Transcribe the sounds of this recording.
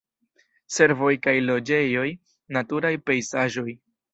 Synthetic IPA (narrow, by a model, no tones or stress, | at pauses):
se̞ɾvo̞jkajlo̞d͡ʒe̞jo̞j | natuɾajpe̞jzaʒo̞j